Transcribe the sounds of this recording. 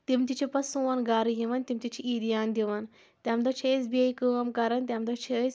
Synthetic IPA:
t̪imt̪it͡ʃʰipɐsuːɐnɡaːɾɨjiʋɐnt̪imt̪it͡ʃʰiiːd̪ijaːnd̪ʲiʋɐn | t̪ʲamd̪ɐt͡ʃʰiesbiɐjkɨɐmkɐɾɐnt̪ʲjamd̪ɐt͡ʃʰis

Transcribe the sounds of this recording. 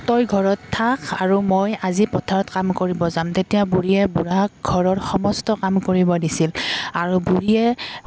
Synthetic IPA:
tɔjɡʱɔɹɔtʰːakaɹumojazipɔtʰaɹɔtkamkoɹibɔzamtetijabuɹijɛbuɹakɡʱɔɹɔɹxɔmɔstɔkamkoɹibɔdisilaɹubuɹiɛ

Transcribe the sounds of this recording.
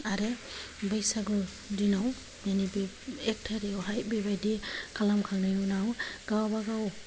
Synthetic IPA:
aɾe | bajsaɡɯ | dinaw | nenibe | ek̚tʰaɾiwɦaj̚bebajdikʰalamkʰaŋnajunawɡ̥awabaɡaw

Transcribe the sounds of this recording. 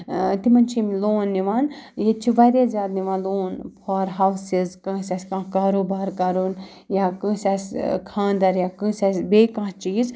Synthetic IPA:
t̪imɐnt͡ʃʰimloːnːiʋaːnjet͡ʃʰiʋɐɾʲeːzʲjaːd̪niʋãːnloːnpʰoɾɦɐwsizkɐ̃ːsʲasʲkãːkaːɾoːbaːɾkɐɾun | jaːkə̃ːsʲaːsʲkʰãːnd̪ɐɾjaːkə̃ːsʲaːsʲbeːkãːt͡ʃiːz

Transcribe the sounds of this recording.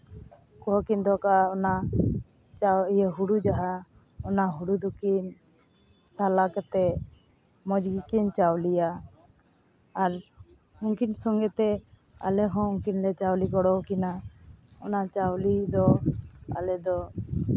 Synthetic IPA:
kɔɔkind̪ɔkaɔna | t͡ʃaijɛɦuɽud͡ʒaɦa | ɔnaɦuɽud̪ukin | salakat̪ɛ | mɔ̃d͡ʒɡikint͡ʃawlija | ɾ | uŋkinsɔŋɡɛt̪ɛ | a̰lɛɦɔ̃uŋkinlɛt͡ʃawlikɔɽɔwkinaɔnat͡ʃawlid̪ɔa̰lɛd̪ɔ

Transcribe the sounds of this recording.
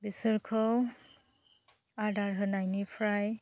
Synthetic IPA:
bisɯɾkʰɔw | adaɹɦɯnajnipʰɹaj

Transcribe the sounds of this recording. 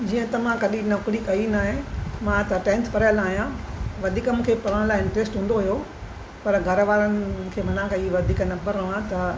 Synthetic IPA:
d͡ʑiːə̃t̪ɐʋ̤ãkɐɗĩnɐkɽikɐinaːɦẽmãt̪ɐʈɛ̃ːnt̪ʰpɐɾajəlaːɦijãʋɐd̪ʱiːkəmũːkʰepɐɾəɽ̃laːɪɪ̃ɳʈɾeːsʈɦũːnd̪oɦjo | pɐɾɡʱɐɾʋaːɾənɪ̆kʰeːmɐnakɐiʋɐd̪ʱiːknɐ̃mbəɾɐʋãt̪ɐ

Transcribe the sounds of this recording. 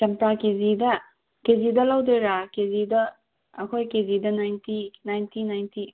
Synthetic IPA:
t͡ʃɐmtakezidɐ | kezidɐlawdeɾakezidɐ | ɐkʰojkezidɐnajntinajntinajnti

